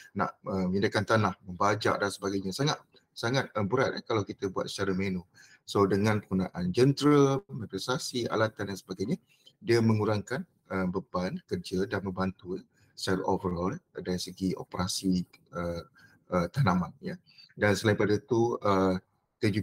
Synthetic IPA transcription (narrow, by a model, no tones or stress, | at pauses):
na̰ʔəmĩndakant̪anahməmbad͡ʒa̰ʔdansəbaɡajɲasaŋat̪̚ | saŋat̪̚əbəɾat̪̚ə̰kalawkit̪əbuat̪̚sə̥t͡ʃaɾamenu | sodəŋãnpəkunãʔand͡ʒənt̪ɾəmãpɾɛsasia̰lat̪andansəbaɡajɲa | diəmə̃ŋuɾaŋkan | əmbəbankərd͡ʒədanmə̃mbant̪ujə | salovəɾɔldaɾisəɡio̰pəɾasiə | ʔət̪anamanjə | dansəlaĩmpadat̪uə | t̪əd͡ʒu